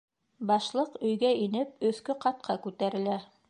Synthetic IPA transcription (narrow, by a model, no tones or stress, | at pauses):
bɑʃlˠɤqɵ̆jɡæinɘp̚ɵ̆θkɵqɑt̪̚qʰɑkʉt̪æɾɘ̆læ